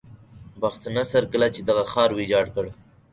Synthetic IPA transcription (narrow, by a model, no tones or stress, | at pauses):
baxt̪anasaɾkəlat͡ʃed̪aɣaxɑɾwid͡ʒɑɖkəɽ